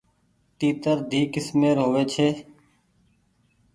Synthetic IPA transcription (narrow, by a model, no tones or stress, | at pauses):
t̪iːt̪əɾd̪ʱiːkɪsmeːɾɦoːʋeːt͡ʃʰeː